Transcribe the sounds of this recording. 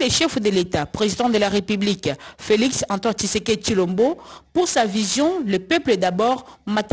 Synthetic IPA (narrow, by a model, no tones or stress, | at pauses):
lɛʃɛfd̪əlet̪apχezid̪ɑ̃d̪əlaʁepyblikfeliksɑ̃t̪wɑ̃nt̪iseket̪ilɔ̃mbopuʁsavizjɔ̃ləpœplɛd̪abɔʁmat̪